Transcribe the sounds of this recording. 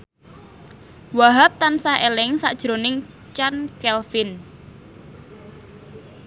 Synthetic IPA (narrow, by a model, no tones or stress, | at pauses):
waɦap̚t̪ansaɦʔelɪŋsa̰ʔd̥ʒ̥ɾonɪŋ | t͡ʃankɛlfɪn